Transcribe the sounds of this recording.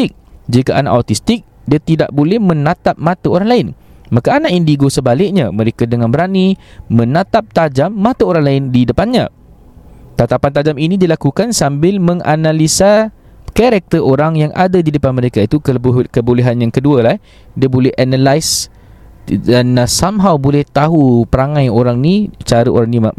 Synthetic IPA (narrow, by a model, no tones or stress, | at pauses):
ɪk̚d͡ʒikaʔana̰ʔat̪ist̪ɪk̚ | diat̪idaʔbolɛhmə̃nat̪ap̚mãt̪aoɾaŋlaɪn | makaːnaʔindiɡosəbalɪk̚ɲamə̃ɾekadəŋanbəɾanimə̃nat̪ap̚t̪ad͡ʒamːãt̪aoɾaŋlaɪndidəpanɲã̰ | t̪at̪apant̪̬ad͡ʒaminidilakukansambɪlmə̃ŋa̰nalisa | kaɾak̚t̪əʔoɾaŋjaŋʔa̰dadidəpanməɾekait̪ukəboleɦanjaŋkədualah | diabolɛhʔanalajs | danasamɦawbolɛht̪aɦupəɾaŋãjoɾaŋnit͡ʃaɾəʔo̰ɾaŋnima